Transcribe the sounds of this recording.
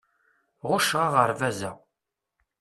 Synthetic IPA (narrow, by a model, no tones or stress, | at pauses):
ʁʊʃʁɑʁəɾvæzæ